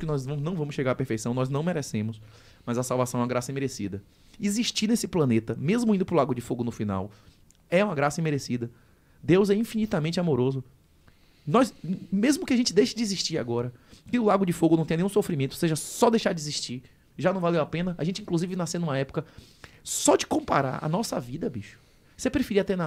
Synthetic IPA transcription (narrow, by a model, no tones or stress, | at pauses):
kɪnɔzɐ̃mʊnɐ̃w̃vɐ̃mʊsʃeɡaɾɐpeɾfejsɐ̃w̃nɔznɐ̃w̃meɾɛsẽmʊs | mɐzɐsawvasɐ̃w̃ɛ̃ɐɡɾasɐĩmeɾesid̪ɐ | iziʃt͡ʃinesɪplɐ̃net̪ɐmezmʊĩd̪ʊpɾʊlaɡʊd͡ʒɪfoɡʊnʊfina̰w | ɛũmɐɡɾasɐĩmeɾesid̪ɐ | d̪ewzɛĩfinit̪ɐmẽnt͡ʃɪamoɾozʊ | nɔjsmezmʊkɪaʒẽnt͡ʃɪd̪ejʃɐd͡ʒɪiziʃt͡ʃiɾa̰ɡɔɾɐkɪʊlaɡʊd͡ʒɪfoɡʊnɐ̃t̪ẽnẽj̃ũsofɾimẽt̪ʊ̥seʒɐsɔd̪ejʃaɾd͡ʒiziʃt͡ʃiɾ | ʒanɐ̃w̃valewapẽnɐaʒẽnt͡ʃɪĩkluzivɪnasẽd̪ũmɐɛpʊ̥kɐ | sɔd͡ʒɪkõmpa̰ɾa̰ɾɐ̰nɔsɐvid̪ɐbiʃʊ̥ | sepɾefiɾiɐt̪ena